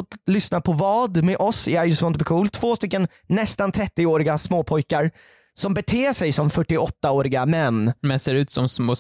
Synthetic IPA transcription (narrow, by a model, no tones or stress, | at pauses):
ɔt̪lʏsnapʰɔvɑːd̪mɛʔɔsæɾjɵsɔmɔnt̪bɛkʰuːlt̪ʰv̥oːst̪ʏkːənː | ɛst̪ant̪ʰɾɛt̪ːɪoːɾɪɡasmoːpʰɔjkaɾ | sɔmbɛt̪ʰeːʂɛjsɔmfœʈːɪɔt̪ːaoːɾɪɡamɛnːmɛnseːɾʉ̟ːt̪sɔmsmoː